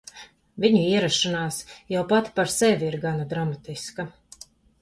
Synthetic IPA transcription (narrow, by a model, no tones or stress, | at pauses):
viɲuiɛɾaʃanaːsjawpat̪paɾsɛvʲiiɾɡanad̪ɾamat̪iska